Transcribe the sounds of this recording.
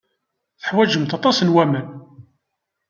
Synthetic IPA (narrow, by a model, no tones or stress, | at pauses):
θə̥ħwæʒəmt̪ɑt̪ˤɑsənwæmən